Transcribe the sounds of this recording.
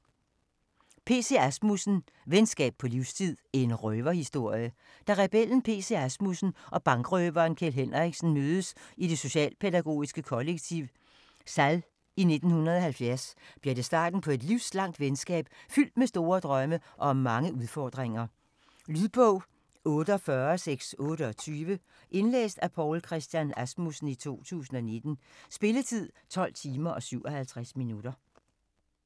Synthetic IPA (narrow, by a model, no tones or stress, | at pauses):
pʰe̝̰ːse̝̰æsmusn̩ | ʋensɡ̥ɛ̰ːb̥̚pʰɒ̽liʊst͡sʰið̰ˠæɐe̝nʁœːʋɐhisd̥o̝ɐ̰jə | d̥æ̈ʁɛb̥el̰n̩pʰe̝ːse̝æsmusn̩ʔɒ̽b̥ɑ̈ŋɡ̥ʁœːʋɐːnkʰelɦen̰ʁiɡ̥sn̩møːð̞ˠəsid̥e̝so̝ɕɛ̰ːlpʰe̝dæɡ̥o̝̰ːisɡ̥əkʰɒ̽leɡ̥̚t͡sʰiʊ̰ | sæl | ine̝d̥n̩hunɐð̞ˠɒ̽hælfjæɐsb̥liɐɾ̥e̝sd̥ɑ̰̈ːd̥n̩pʰɒ̽e̝d̥liʊslɑ̈ŋ̰d̥ʋensɡ̥ɛ̰ːb̥fyl̰d̥mesd̥o̝ːɐd̥ʁɶməʔɒ̽ɒ̽mːɑ̈ŋəuðˠfɒ̰ːd̥ʁeŋɐ | lyðˠb̥ɔʊ̰ | ɔːɾəɒ̽fɶɐseɡ̥sɔ̽ːɾəɒ̽t͡sʰyːʋə | ʔe̝nlḛːsd̥æpʰɒʊlkʰʁɛsd̥jænæsmusn̩it͡sʰo̝̰ːt͡sʰṵːsn̩ɒ̽ne̝d̥n̩sb̥e̝lət͡sʰið̞̰ˠt͡sʰɒ̽l̰t͡sʰiːmɐʔɒ̽syʊ̰ʔɒ̽hælt͡sʰʁasminuɾ̥ɐ